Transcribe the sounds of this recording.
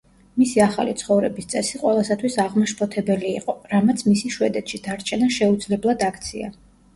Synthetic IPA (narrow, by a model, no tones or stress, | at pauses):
misiaχa̰lit̪sʰχɔvɾɛbist̪sʼɛsiqʼwɛlˠasat̪ʰwisaʁmɔʃpʰʼɔt̪ʰɛbɛliːqʼɔɾamat̪sʰmisiʃwɛd̪ɛt̪ʃid̪aɾt͡ʃʰɛnaʃɛud̪zlɛblˠad̪akʰt̪sʰia̰